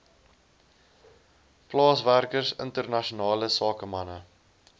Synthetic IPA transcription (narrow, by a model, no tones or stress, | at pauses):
plɑːsværkərsə̰ntərnɐʃunɑːləsɑːkəmɐnə